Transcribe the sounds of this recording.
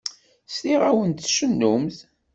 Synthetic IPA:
stiʁæwənt̪ʃənːʊmθ

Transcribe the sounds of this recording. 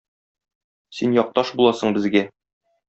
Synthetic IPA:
sinjɒq̚t̪ɑʃbulˠɑsɤ̆ɴbɘ̆zɡæ

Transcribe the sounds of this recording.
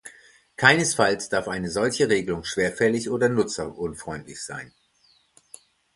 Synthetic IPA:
kʰaɪnəsfalsd̥aɐfʔaɪnəzɔlçəʁeːɡəlʊŋʃv̥eːɐfɛlɪçʔoːdɐnʊt͡samʔʊnfʁ̥ɔʏntlɪçz̥a̰ɪn

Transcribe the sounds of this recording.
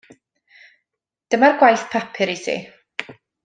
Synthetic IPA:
d̥əmarɡwajθpʰapʰɪɾisḭ

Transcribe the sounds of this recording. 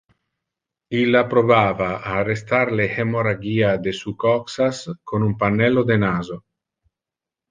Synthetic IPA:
ilapɾoβavaaːrest̪aɾlehemoɾaɡiad̪esukɔksaskonumpanːɛlod̪enazo

